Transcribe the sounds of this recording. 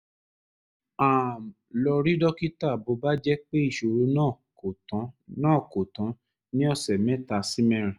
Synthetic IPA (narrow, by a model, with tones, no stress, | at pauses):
a˨m˨lɔ˧ɾi˦dɔ˦ki˦ta˦˨bo˨˧˦ba˦d͡ʒɛ˦k͡pe˦i˦˨ʃo˨ɾu˧˦nãː˦˨ | o˨tã˨˦nãː˦˨ko˨tã˨˦ | nĩ˦ɔ˧˨sɛ˨mɛ̃˨˦ta˧si˦mɛ̃˧˦ɾ̃ɛ̃˨